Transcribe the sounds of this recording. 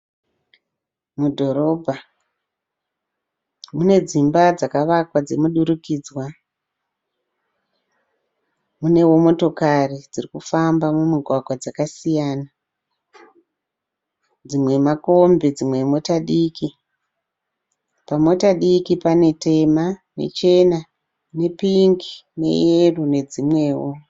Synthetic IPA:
mudʱo̞ɾo̞bʱa | mune̞d͡zimbad͡zakaʋakwad͡ze̞muɗuɾukiːd͡zwa | mune̞wo̞mo̞to̞karid͡zirikufambamumuɡʱwaɡʱwad͡zakasijaːna | d͡zimwe̞mako̞mbed͡zimwe̞mo̞taɗiːki | pamo̞taɗikipane̞te̞mane̞̰t͡ʃe̞na | ne̞piŋɡine̞̰jerune̞d͡zimwe̞ːwo

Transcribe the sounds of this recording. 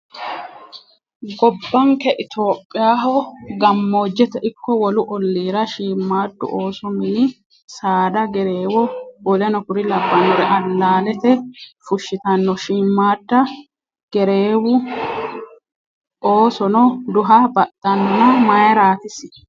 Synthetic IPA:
ɡɔbːɐŋkɛʔɪt̪oːpʼːɪjaːɦɔɡɐmːo̞ːd͡ʒːɛt̪ɛʔɪkːɔwɔlʊʔɔlːiːɾɐʃiːmːaːd̪ːʊ̰ʔoːsɔmɪː | saːd̪ɐɡɛɾeːwɔwɔlɐnɔkʊɾɪlɐbːɐnɔɾɛʔɐlːaːlɛt̪ɛfʊʃːɪt̪ɐnːɔʃiːmːaːd̪ːɐ | ɡ̥ɛɾeːwʊ | ʔoːsɔnɔd̪ʊɦɐbɐt̪ʼːɐnːɔnɐmɐjɐɾaːt̪ɪsɪ̥

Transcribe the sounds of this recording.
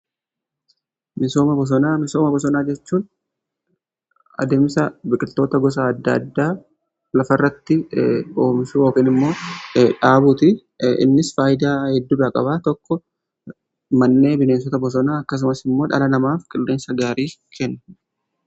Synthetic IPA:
mɪso̞ːmɐbɔs̬ɔnaːmɪso̞ːmɐbɔsɔnaːd͡ʒɛt͡ʃːuːn | ɐ̰d̪eːmsɐbɪkʼɪlt̪ːo̞ːt̪ɐɡɔs̬aːɐd̪ːɐɐ̰d̪ːaː | lɐfɐrːɐt̪ːɪo̞ːmsuːjo̞ːkɪnɪmːo̞ːᶑaːbuːt̪ɪ | ɪ̰nːɪsfaːjɪd̪aːhɛd̪ːuːbaːkʼɐbaːt̪ɔkːɔ | mɐnːe̞ːbɪne̞ːns̬ɔt̪ɐbɔs̬ɔnaːɐkːɐs̬ʊmɐsɪmːo̞ːᶑɐ̰lɐnɐmaːfkʼɪlːe̞ːnsɐɡaːɾiːkʰɛnːɐ̥

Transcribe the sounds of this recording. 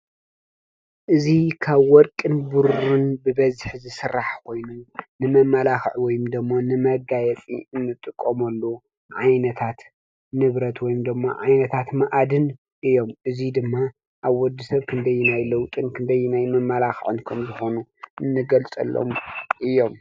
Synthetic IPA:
ʔɨzikʰaβwɔɾkʼɨnbuɾunbɨbɐzħzɨsɨɾːaħkʰo̞jnunɨmɐmːɐlaxʕwɔjumd̪ɨmːonɨmɐɡajɛt͡sʼḭɨnːɨt̪ʼɨkʼːomɐlːo | ʕajnɐt̪ʰat̪ | nɨβɾɐt̪wɔjumd̪ɨmːa̰ʕajnɐt̪ʰat̪maʔad̪ɨn | ʔɨjo̞mʔɨzid̪ɨmːa | ʔaβwɔd̪ːisɐβkʰɨnd̪ɐjːinajlɐwt̪ʼɨnkʰɨnd̪ɐjːnajmɐmːɐlaxʕɨnkʰɐmzɨxo̞nuɨnːɨɡɐlt͡sʼɐ̰lːo̰mʔɨjo̞m

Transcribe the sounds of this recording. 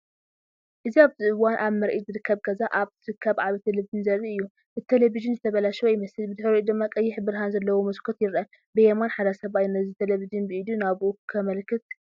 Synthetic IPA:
ʔɨziaβzɨɨwanʔaβmɐɾʔizɨɾɨkːɐβɡɐzaʔaβt̪ʰɨɾɨkʰːɐβʕaβit̪ʰelevizɨnzɐrːiɨjːu | ɨt̪ʰelevizɨnzɨt̪ʰɐβɐlaʃojɪmɐsɨlbɨd̪ɨħɾid̪ɨmːakʼɐjːɪħbɨɾɦanzɐlːɐwomɐskʰot̪jɪɾʔɐ | bɨjɛmanħad̪ɐsɐβajnɐzit̪ʰeleβizɨnbɨʔɨd̪unaβʔukʰɐmɐlkʰːɨt̪̚

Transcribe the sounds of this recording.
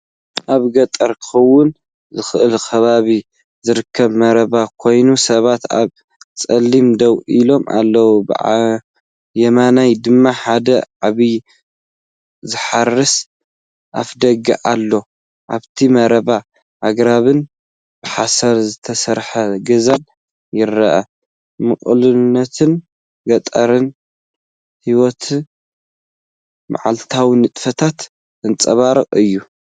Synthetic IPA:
ʔaβɡɐt̪ʼɐɾkʰɨ̥xɐwːʊn | zɨxɨʔɨlkʰɐβaβi | zɨɾɨkʰːɐβmɐɾɐβakʰo̞jnusɐβat̪a̰β | t͡sʼɐlːimd̪ɐwilo̞ma̰lːɐwubɨ̰ | jɛmanajd̪ɨmːaħad̪ɐʕaβi | zɨħarːɨs | ʔafd̪ɐɡḭʔalːo̞ | ʔaβt̪ʰimɐɾɐβa | ʔaɡɾaβɨn | bɨħasɐɾzɨt̪ʰɐsɐɾħɐɡɐzan | jɪɾːɐʔɐ̰ | mɨχʼlɨnːɐt̪ʰɨn | ɡɐt̪ʼɐɾɨn | hiwɔt̪ʰ | mʔa̰ʕa̰lt̪ʰawinɨt̪ʼfɐt̪ʰat̪ | ɨnt͡sʼɐβaɾɨqʼɨjːu

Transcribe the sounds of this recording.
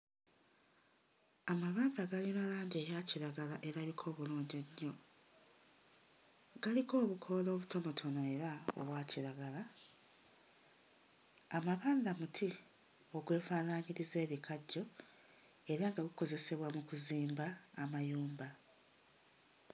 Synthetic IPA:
amaβaːndaɡalinalaːɲɟe̞ːjaciɾaɡalaʔe̞ɾaβikʰo̞ːβuluːɲɟeɲːo̞ | ɡaliko̞ːβukʰo̞lo̞ːβuto̞no̞tʰo̞noeɾao̰βwaːciɾaɡala | maβaːnd̪amutʰi | o̞ɡwe̞ːfaːnaːɲiɾize̞ːβikʰaɟːo̞ | e̞ɾaŋɡaɡuko̞ze̞se̞βwamukuziːmbaːmajuːmba

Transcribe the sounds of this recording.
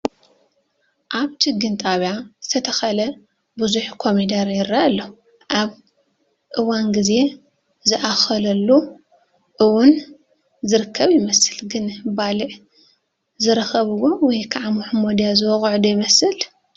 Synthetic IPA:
ʔaβt͡ʃʰɨɡɨnt̪ʼaβjazɨt̪ʰɐt̪ʰɐxɐlɐ | buzuħkʰo̞mid̪aɾjɪɾːaalːɐ | ʔaβ | ʔɨwanɡɨze̞ | zɨʔaxɐlɐlːu | ʔɨwʊn | zɨɾɨkʰːɐβjɪmɐsɨlɡɨnbalɨʕ | zɨɾɐxɐβɨwowɔjkʰaʕamuħmod̪ijazɨwɔxʼʕd̪ujɪmɐsɨl

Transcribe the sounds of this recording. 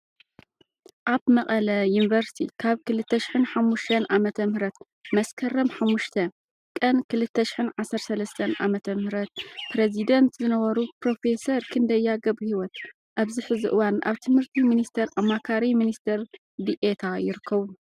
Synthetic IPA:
ʔaβmɐqʼɐlɐjunvɐɾst̪ʰḭkʰaβkʰɨlɨt̪ːɐʃɪ̥ħɨnħamːuʃt̪ʰɐnʔamɐt̪ʰɐmhɾɐt̪ | mɐskʰɐrɐmħamːuʃt̪ʰɐ | kʼɐnkʰɨlɨt̪ʰːɐʃɪ̥ħɨnʕasːɐɾsɐlɐst̪ʰɐnʔa̰mɐt̪ʰɐmhɨɾɐt̪̚pɾezid̪ɐnt̪zɨnɐβɐɾupɾo̞fe̞sɐɾkʰɨnd̪ɐjːaɡɐβuhiwɔt̪ | ʔaβzɨħɨzɨʔɨwanʔa̰βt̪ʰɨmhɨɾt̪ʰiminist̪ʰɐɾʔamːakʰaɾiminist̪ʰɐɾ | d̪iʔet̪ʰajɪɾɨkʰːɐβu

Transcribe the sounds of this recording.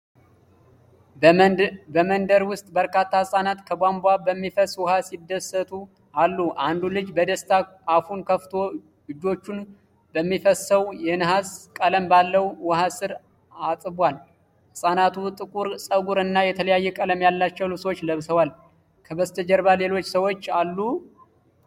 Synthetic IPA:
bəmənd̪əɾwʊst̪ʼbəɾkat̪ʰːahɨsʼanat̪kʰəbambʷabəmːifəswɔhasid̪ːəsːət̪ʰʼu | alːuʔand̪ulɨd͡ʒbəd̪əst̪ʰa | afunkʰəft̪ʰo̞ | ɨd͡ʒo̞t͡ʃːun | bəmːifəsːəwjɛnɨɦaskʼələmbalːəwwɔɦasɨɾ | asʼɨbwal | hɨsʼanat̪ʰut̪ʼɨkʼuɾsʼəɡuɾɨnːajɛt̪ʰələjajːɛkʼələmjalːat͡ʃːɛwlɨβswot͡ʃːləβsəwal | kʰəbəst̪ʰəd͡ʒəɾbale̞lo̞t͡ʃːsəwo̞t͡ʃːalːu

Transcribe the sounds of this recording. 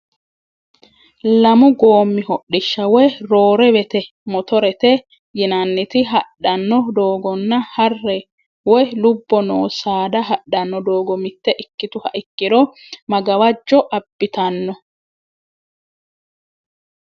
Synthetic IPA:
lɐmʊɡoːmːɪhɔɗɪʃːɐwɔjɾoːɾɛwɛt̪ɛ | mɔt̪ɔɾɛt̪ɛ | jɪnɐnːɪt̪ɪɦɐɗːɐnːɔd̪oːɡɔnːɐhɐrːɛ | wɔjlʊbːɔnoːsaːd̪ɐɦɐɗɐnːɔd̪o̞ːɡɔmɪt̪ːɛʔɪkːɪt̪ʊhɐʔɪkːɪd̪ɔmɐɡɐwɐd͡ʒːɔʔɐbːɪt̪ɐnːɔ

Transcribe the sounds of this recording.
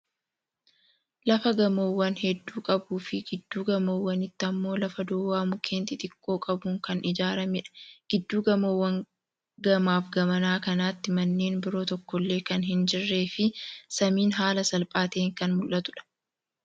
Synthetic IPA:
lɐfɐɡɐmoːwːɐnhɛd̪ːuːkʼɐbuːfɪɡɪd̪ːuːɡɐmoːwːɐnɪt̪ːɐmːo̞ːlɐfɐd̪oːwaːmʊkʰe̞ːnt̪ɪt̪ʼɪkʼːo̞ːkʼɐbʊŋkɐnɪd͡ʒaːɾɐmɪᶑɐ̥ɡ̥ɪd̪ːuːɡɐmoːwːɐŋ | ɡɐmaːfɡɐmɐnaːkɐnaːt̪ːɪmɐnːe̞ːnbɪɾo̞ːt̪ɔkːɔlːe̞ːkɐnɦɪnd͡ʒɪrːe̞ːfɪsɐmiːnɦaːlɐsɐlpʼaːt̪e̞ːŋkɐnmʊlʔɐt̪ʊᶑɐ̥

